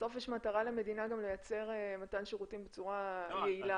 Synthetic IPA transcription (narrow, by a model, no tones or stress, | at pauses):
so̞fjeɛʃmataʁaleme̞dinaɡamlojat͡se̞ʁematanʃeʁutimbet͡suʁajeila